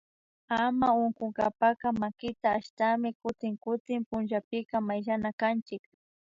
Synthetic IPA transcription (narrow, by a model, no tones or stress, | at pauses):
amaʊŋkʊŋɡapakamakɪt̪aːʃt̪amɪkʊt̪ɪŋkʊt̪ɪmpʊnʒapɪkamajʒanakant͡ʃɪk